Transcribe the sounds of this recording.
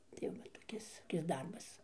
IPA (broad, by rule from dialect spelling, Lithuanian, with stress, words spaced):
tɐɪ ˈʋɐ toːˈkʲɪs toːˈkʲɪs ˈdɐrbɐs